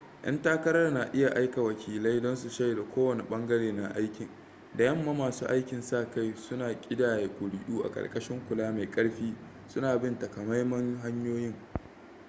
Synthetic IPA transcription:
ʔɐ̰˦ntaː˦kɐ˦ɾɐ˦rna˨ʔɪ˦ja˨ʔa˦jka˨wɐ˨kʲʰiː˨la˦jdɔ˦nsu˨ʃɐ˦je˨da˨kʷoː˦wɐ˨ni˨ɓɐ˦ŋɡɐ˦ɽeː˨na˨ʔa˦jkʲɪ˨ŋ | da˨jɐ˦mːa˦maː˨suː˦ʔa˦jkʲɪ˨nsa˦˨ka˦jsʊ˦naː˨kʲʼɪ˦daː˨je˨kʷʼʊ˨ɽɪ˦ʔuː˦ʔa̰˨kʼɐ̰˨rkʼɐ˦ʃɪ˦ŋkʷʊ˨laː˦ma˨jkʼɐ˦ɽɸiː˦ | sʊ˦naː˨bɪ˦nta˨ka˨ma˦jmɐ˦ŋɦa˦ɲjoː˦jɪ˦ŋ

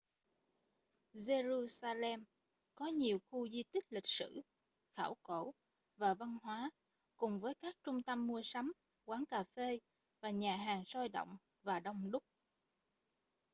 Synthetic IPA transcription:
ze˧zu˧saː˧lɛ˧m | kɔ˨˦ɲi˨˩əwxu˧zi˧t̪ï˦˥k̟̚lï˨˩k̟̚sɨ̰˧˩ | xaː˧˩wko˧˩ | vaː˨˩va˧nɦwaː˨˦ | kʊ˨˩ŋ͡mvəː˨˦jkaː˦˥k̚t͡ɕʊ˧ŋ͡mt̪ə˧mːu˧əsa˨˦m | kwaː˨˦ŋkaː˨˩fe˧ | vaː˨˩ɲaː˨˩ɦaː˨˩ŋsɔ˧jɗə̰˧˨wŋ͡m | vaː˨˩ɗə˧wŋ͡mɗʊ˦˥k͡p̚

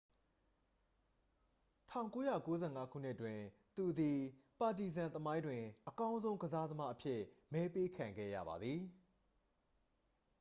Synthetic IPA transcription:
tʰã˦˨ŋko˦jä̰˦˨ko˦zɛ̰˦˨ŋa˦kʰṵ˦˨n̥ɪ˦ʔətwɪ̃˨ | t̪u˨d̪i˨pa˨ti˨zã˨nt̪əmã˦ɪ̃ndwɪ̃˨ʔəkã˦ʊ̃nzõ˦ʊ̃ɡəza˦d̪əma˦ʔəpʰjɪ˦mɛ˦pe˦kʰã˨ŋɡɛ̰˦˨ja̰˦˨ba̰˨d̪ði˨

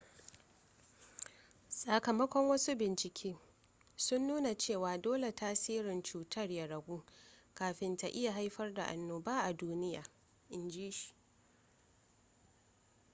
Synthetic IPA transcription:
sʼa˨kɐ˨mɐ˦kʷɔ˦ŋwɐ˦su˦bɪ˨nt͡ʃɪ˨kʲʰiː˦ | sʊ˦nːuː˦na˨t͡ʃeː˦˨waː˨doː˦le˨tʰaː˦siː˦ɾɪ˨nt͡ʃuː˨tʰɐ˦˨rja˨ɽɐ˨ɡʷuː˦kaː˨ɸɪ˦nta˨ʔɪ˦ja˨ɦa˦jɸɐ˦rda̰˨ʔa˨nːoː˨baː˦ʔa˨duː˦nɪ˦ja̰ː˨ | ʔɪ˨nd͡ʒiː˦ʃi̥˨

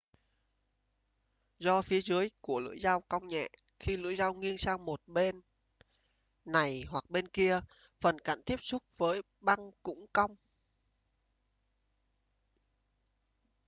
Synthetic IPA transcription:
zɔ˧fi˨˦əzɨ˨˦əjku˧˩əlɨ̰˧˥əjzaː˧wka˧wŋ͡mɲɛ̰˧˨ | xi˧lɨ̰˧˥əjza˧wŋi˧ənsaː˧ŋmo˨˩t̚ɓe˧n | a˨˩jhwa˨˩k̚ɓe˧nki˧ə | fə˨˩nka̰˧˩˨nt̪i˦˥əp̚sʊ˦˥k͡p̚vəː˨˦j | ɓa˧ŋkʊ̰˧˥ŋ͡mka˧wŋ͡m

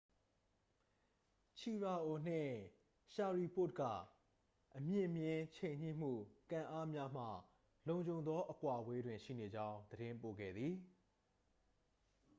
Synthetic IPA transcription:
t͡ɕʰi˨ɹa˨ʔo˨n̥ɪ̰̃˦˨ | ʃa˨ɹi˨pʊ˦˨t̚ɡä̰˦˨ | ʔəmjɪ̃˦˨mjɪ̃˦t͡ɕʰẽ˨ɪ̃ɲ̥ḭ˦˨m̥ṵ˦˨kã˨ʔa˦mja˦m̥ä̰˦˨ | lõ˨ʊ̃ɲd͡ʑõ˨ʊ̃nd̪ɔ˦ʔəkwa˨we˦dwɪ̃˨ʃḭ˦˨ne˨d͡ʑã˦ʊ̃d̪əɾɪ̃˦mpo̰˦˨ɡɛ̰˦˨d̪ði˨

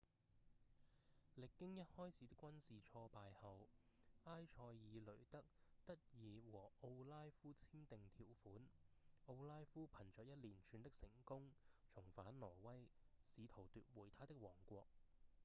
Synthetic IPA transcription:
lɪ˨kːɪ˥ŋjɐ˥t̚hɔː˥jt͡sʰiː˨˥t̪ɪ˥kːwɐ˥nsiː˨t͡ʃʰɔː˧paː˨jhɐ˨waː˥jt͡ʃʰɔː˧jːiː˨˧lɵ˨˩ɥt̪ɐ˥k̚t̪ɐ˥t̚jiː˨˧wɔː˨˩o˧wlaː˥jfuː˥t͡sʰiː˥nt̪ɪ˨ŋt̪ʰiː˨˩wfuː˨˥no˧wlaː˥jfuː˥pʰɐ˨˩nt͡ʃœː˨k̚jɐ˥t̚liː˨˩nt͡ʃʰyː˨˧nt̪ɪ˥k̚sɪ˨˩ŋkʊ˥ŋt͡sʰʊ˨˩ŋfaː˨˥nlɔː˨˩wɐ˥jsiː˨˧t̪ʰo˨˩wt̪yː˧t̚wuː˨˩jt̪ʰaː˥t̪ɪ˥k̚wɔː˨˩ŋkʷɔː˧k̚

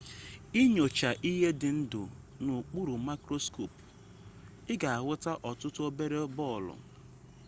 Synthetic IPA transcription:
i˦ɲo˨t͡ʃa˨ʔi˦ɦe˦dɪ˨n̩˦dʊ̰˨ | nu˨k͡pu˦ɾu˨ma˦kɾo˦skʰo˨p | ɪ˦ɡa˨a˨ɣʷʊ˦ta˦ʔɔ˨tʊ˦tʊ˦o˦be˦ɾe˦bɔ˦˨lʊ̰˨

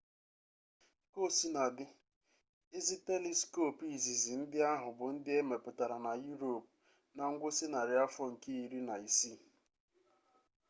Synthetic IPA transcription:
ko˦˨si˦na˨dɪ˦ | ɪ˦zi˦te˦li˦sko˦˨pi˦˨zi˨zi˨n̩˦dɪ˦a˦ɦʊ˨bʊ˨n̩˦dɪ˦e˦me˨pʊ˨ta˨ɾa˨na˨ju˦ɾo˨p̚ | na˨ŋ̩˦ɡʷʊ˦sɪ˦na˨ɾɪ˨a˦fɔ˦ŋ̩˨ke˦i˨ɾi˦na˨i˨si˦˨

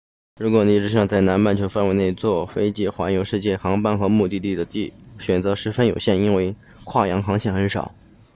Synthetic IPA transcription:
ɻu˧˥kwɔ˨˩ni˧˥˩ʈ͡ʂɻ̩˥ʂ̬ɑ˥˧ŋt͡sa˥˩ɪna˧˥nma˥˩nt͡ɕʰjo˧˥ʊfa˥˩nwɪne˥˧˩ɪt͡swɔ˥˩fe˥ɪt͡ɕi˥˩xwa˧˥njo˧˥ʊʂɻ̩˥˧t͡ɕjɛ˥˩xɑ˧˥ŋpa˥nxɤ˧˥mu˥˧t̪i˥˧t̪i˥˩d̪ə˩t̪i˥˩ɕɥɛ˨˩nt͡sɤ˧˥ʂɻ̩˧˥fə˥njo˨˩ʊɕjɛ˥˩ni˥nwe˥˧ɪ | kʰwa˥˩jɑ˧˥ŋxɑ˧˥ŋɕʰjɛ˥˩xə˧˥nʂɑ̰˨˩˦ʊ

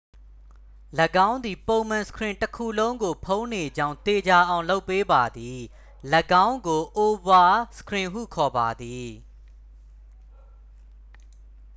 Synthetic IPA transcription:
lə˨ɡã˦ʊ̃nd̪i˨põ˨ʊ̃mã˨sə̥kʰɹɪ̃˨ntəkʰu˦˨lõ˦ʊ̃ŋɡo˨pʰõ˦ʊ̃ne˨d͡ʑã˦ʊ̃t̪e˨d͡ʑa˨ʔã˨ʊ̃lo˦ʊpːe˦ba˨d̪i˨ | lə˨ɡã˦ʊ̃ŋɡo˨ʔo˨ba˨sə̥kʰɹɪ̃˨ɦṵ˦˨kʰɔ˨ba̰˨d̪i˨

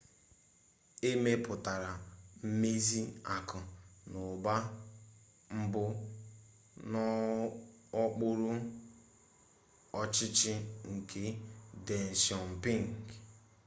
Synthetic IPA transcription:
e˦me˦pʊ˨ta˨ɾa˨m̩˦me˦zi˦a˨kʊ˨nʊ˨ba˦ | m̩˦bʊ˦ | nɔ˦ | ɔ˦k͡pʊ˦ɾʊ˦ | ɔ˦t͡ʃɪ˦t͡ʃɪ˦ŋ̩˨ke˦de˨n̩˨si˨ɔ˨m̩˨pi˦ŋ˨k

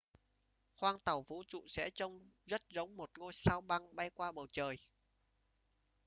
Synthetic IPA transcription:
xwaː˧ŋt̪ə˨˩wvṵ˧˥t͡ɕṵ˧˨sɛ̰˧˥t͡ɕə˧wŋ͡mzə˦˥t̚zə˨˦wŋ͡mmo˨˩t̚ŋo˧jsaː˧wɓa˧ŋɓa˧jkwaː˧ɓə˨˩wt͡ɕəː˨˩j

